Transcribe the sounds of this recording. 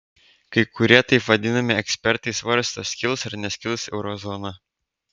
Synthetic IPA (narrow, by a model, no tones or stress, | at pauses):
kɐɪkʊɾʲiɛt̪ɐɪpʋɐd̪ʲɪnɐmʲɪɛksʲpʲɛɾt̪ɐɪsʋɐɾst̪osʲkʲɪlˠsɐɾnʲɛsʲkʲɪlˠsɛʊɾɔzɔnɐ